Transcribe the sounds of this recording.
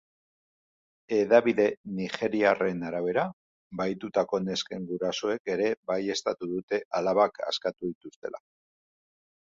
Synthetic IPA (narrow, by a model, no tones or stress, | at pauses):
e̞ðaβiðe̞nixe̞ɾiare̞naɾaβ̞e̞ɾa | bajt̪ut̪ako̞ne̞ske̞ŋɡuɾaso̞e̞ke̞ɾe̞baje̞st̪at̪uðut̪e̞alaβaka̰skat̪uðit̪ust̪e̞̰lʔa̰